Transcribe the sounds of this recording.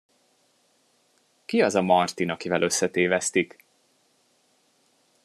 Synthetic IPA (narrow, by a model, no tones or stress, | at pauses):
kiɒzɒmɒrt̪inɒkivɛlʔø̞sːɛt̪eːvɛst̪ik